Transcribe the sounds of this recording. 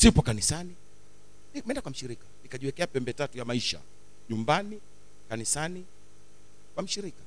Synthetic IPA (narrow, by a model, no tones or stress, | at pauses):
sipɔkanisani | nimɛndakwam̩ʃiɾikanikaʄiwɛkɛapɛmbɛtatujamaiʃa̰ | ɲumbani | kanisani | kwam̩ʃiɾikḁ